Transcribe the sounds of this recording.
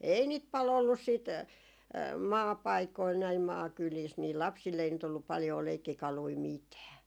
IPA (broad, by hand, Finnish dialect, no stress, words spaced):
ei niːt pɑl olːus siːt mɑːpɑikoil næim mɑːkyliːs niː lɑpsilː ei nyt olːup pɑljoː leikːikɑlui mitæː